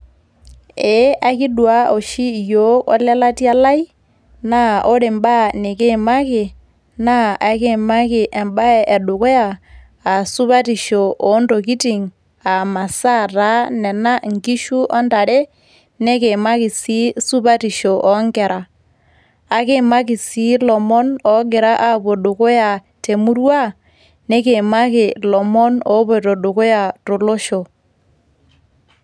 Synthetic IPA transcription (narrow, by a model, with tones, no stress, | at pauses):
ɛ˨˦ʔa˦ki˦dwa˦o˨ʃi˦˨jo˦kɔ̰˦lɛ˦la˦ti˦a˦la˦i˦ | na˦o˦ɾe˨mba˦ne˨ke˦˨ma˦kɪ˨ | na˦ʔa˨ke˦ma˦kɪ˨ʔɛ˨mba˦ɛ˨ʔɛ˨ɗʊ˨kɔ˦aː˨ | su˦pa˦ti˨ʃo˨ʔo˨˦ndo˨k̬i˦ti˨ŋ | a˨ma˨sa˦˨ta˦nɛ˨na˦ŋki˦ʃu˦ɔ˦nda˨ɾe˦ | ne˦ke˨ma˦kɪ˨si˦su˦βa˦ti˨ʃɔ˨ʔɔ˨ŋɡɛ˨ɾʔaː˨ | ke˦ma˦kɪ˨si˦lɔ˨mɔ˦nɔ˨˦ɡe˨ɾa˦ʔa˦βo˨ɗo˨ko˦ja˨ | te˨mu˦ɾwa˦ | ne˦ke˨ma˦kɪ˨lɔ˨mɔ˦nɔ˦βɔ˦˨tɔ˨ɗo˨ko˦ja˨to˨lo˦ʃo˨